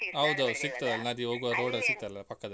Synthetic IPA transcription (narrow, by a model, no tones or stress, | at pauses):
ɐwd̪sik̚t̪ɐd̪ɐlːnad̪ioːɡuʋɾoːɽɐsik̚t̪ɐɐlɐpɐkːɐd̪ɐ